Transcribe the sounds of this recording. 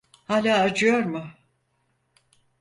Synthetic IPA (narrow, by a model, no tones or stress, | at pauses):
haːlʲaːd͡ʒɯjoɾmʊ